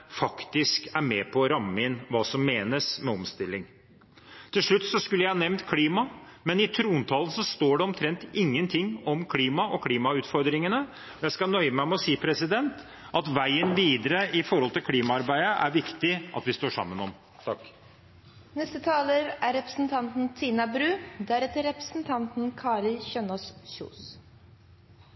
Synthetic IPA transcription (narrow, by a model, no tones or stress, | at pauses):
fɑkt̪ɪskæɾmɛpʰɔːɾɑmːəɪnʋɑːsɔmːeːnəsmɛɔmst̪ɪlːɪŋ | t̪ʰɪlʂɭʉt̪ːsɔskʉlːəjæɪhɑnɛʋnt̪kʰliːmɑmɛnɪt̪ʰɾuːnt̪ʰɑːlən̩sɔst̪oːɖɛɔmt̪ʰɾɛnt̪ɪŋːənt̪ʰɪŋːɔmkʰliːmɑʔɔkʰliːmɑʉːt̪fɔɾd̪ɾɪŋənə | ɔjæɪskɑnœʏəmæɪmɛɔsiːpʰɾɛsɪd̪ɛnt̪ | ʔɑt̪ʋæɪənʋiːd̪əɾəʔɪfɔɾhɔlt̪ɪlkʰliːmɑɑɾbæɪəʔæɾʋɪkt̪ɪʔɑ̰t̪ʋɪst̪oːʂɑ̰mːənɔ̰m | t̪ʰɑk | nɛst̪ət̪ʰɑːləɾæɾɛpɾə̥sn̩t̪ʰɑnt̪n̩t̪ʰiːnɑbɾʉːd̪æɾɛt̪əɾɛpɾə̥sn̩t̪ʰɑnt̪n̩kʰɑːɾɪlçœnɔssṵːs